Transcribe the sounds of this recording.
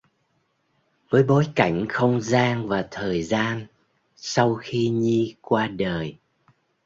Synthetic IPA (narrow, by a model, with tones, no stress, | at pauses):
vəː˨˦jɓo˨˦jka˧˩jŋ̟xə˧wŋ͡mzaː˧ŋvaː˨˩t̪ʰəː˨˩jzaː˧n | sa˧wxi˧ɲi˧kwaː˧ɗəː˨˩j